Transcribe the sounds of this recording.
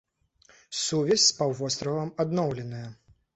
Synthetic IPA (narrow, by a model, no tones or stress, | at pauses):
suvʲɛsʲspawvɔst̪ɾɐvɐmad̪nɔwlʲɛnɐjɐ